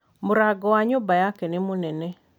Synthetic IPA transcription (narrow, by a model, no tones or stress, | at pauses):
mʊɾaɡɔwaɲobajakɛnɪmonɛnɛ